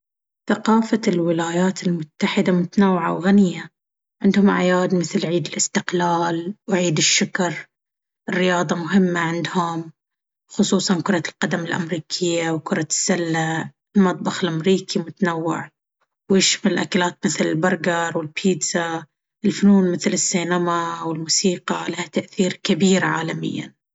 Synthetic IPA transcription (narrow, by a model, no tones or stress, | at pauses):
θaqɑːfalwɪlaːjaːt̪ʰɪlmʊt̪ːaħɪd̪amʊt̪anawːʕa̰wɣanɪjːa | ʕɪnd̪hʊmʕa̰jaːd̪mɪθlʕiːd̪ɪlʔɪst̪ɪqlaːlwʕiːd̪ɪʃːʊkɾˤ | ɪrːɪjɑːðˤɑmʊɦɪmːaʕɪnd̪hʊm | xʊsˤuːsˤɑnkʊɾˤɑlqad̪amɪlʔa̰mɾiːkʰɪjːawkʊɾˤɑsːalːa | lmɑt̪̚ˤbɑxɪlʔamɾiːkʰimʊt̪anawːɪ̰ʕ | wjɪʃmalʔakalaːt̪̚mɪθlɪlbɑɾˤɡɑɾˤwɪlpʰiːd̪za | ʔɪlfʊnuːnmɪθlɪsːiːnamawɪlmuːsiːqɑlahat̪aʔθiːɾkabiːɾʕa̰ːlamɪ̰jːa̰n